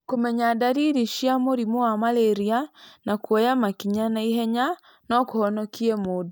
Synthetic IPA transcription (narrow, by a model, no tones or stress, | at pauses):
komɛɲadaɾiɾiʃiamoɾimoamaleɾianakwɔjamakiɲanaiɦɛɲa | nɔkohɔnɔkiɛmod